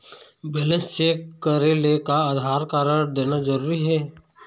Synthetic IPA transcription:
beːlə̃nst͡ʃeːkːəɾelekaaːd̪ʱaːɾkaːɾəɽd̪eːnad͡ʒəɾuːɾiɦɛː

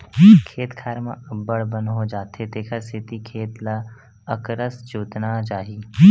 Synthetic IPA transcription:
kʰeːt̪kʰaːɾmã̰ɐbːəɽbə̃nɦod͡ʒaːt̪ɦet̪eːkʰəɾsɪt̪ikʰeːt̪la | əkɾəsd͡ʒuːt̪nat͡ʃaːɦiː

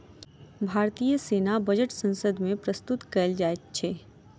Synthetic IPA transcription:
bʱaːɾt̪ijəseːnabɐd͡ʒəʈsə̃nsəd̪mẽpɾəst̪ʊt̪kɐld͡ʒaːet̪t͡ʃʰeː

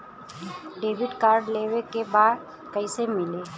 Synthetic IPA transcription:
ɖeːʋɪɖkaːɾɖleʋekebaːd̪ | kəɪsemɪleː

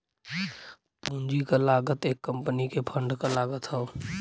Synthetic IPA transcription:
pũːnd͡ʒikalaːɡət̪eːkːə̃mpənikepʰə̃ɳɖkalaːɡət̪ɦəo

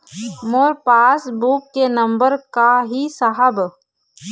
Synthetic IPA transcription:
moːɾpaːsbuːkːenɐ̃mbəɾkaɦisəɦəb

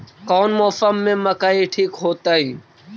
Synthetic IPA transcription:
kɔːnmoːfəmːẽməkaːiʈʰiːkɦoːt̪aːɦiː

